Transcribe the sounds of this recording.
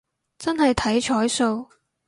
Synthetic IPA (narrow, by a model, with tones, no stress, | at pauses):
t͡sɐ˥nɦɐ˨jt̪ʰɐ˨˥jt͡ʃʰɔː˨˥jso˧w